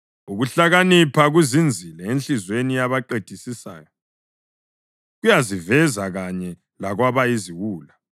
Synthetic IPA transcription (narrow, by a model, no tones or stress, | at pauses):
uɣuɬaɣanipʰaɣwizind͡zʱilɛenɬizwenijaβaǃed̥ʱisisa̰ːjɔ | ɣujazivɛzaɣaɲɛ | laɣwaβaiziwuːla